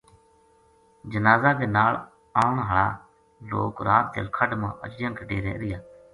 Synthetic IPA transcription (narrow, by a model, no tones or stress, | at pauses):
d͡ʒənaːzaːd̪eːnaːɭ | aːʊɳɦəɭa̰ː | lo̰ːkɾaːt̪̚d̪ḛlkʰəɖmãːʔə̰t͡ʃd͡ʒə̃ŋkʰəɖeːɾḛːɾɪjaː